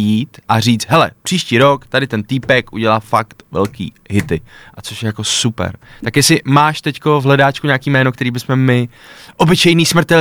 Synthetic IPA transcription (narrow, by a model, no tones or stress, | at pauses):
jiːt̪ʔariːt͡st̪ɦɛlɛ̰pr̥iːʃciːɾo̞kt̪adɪt̪ɛnt̪iːpɛkʔuɟɛlafakt̪vɛ̰lkḭː | ɦɪt̪ɪʔat͡soʃjɛjako̞supɛ̰ɾt̪akjɛsɪmaːʃt̪ɛcko̞vɦlɛdaːt͡ʃkuɲaːkiːmɛːnokt̪ɛɾiːbɪsmɛmɪ | ʔo̞bɪt͡ʃɛjniːsmr̩t̪ɛ